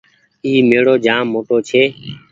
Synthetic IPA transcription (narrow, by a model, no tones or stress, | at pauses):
iːmeːɽoːd͡ʒaːmːoːʈoːt͡ʃʰeː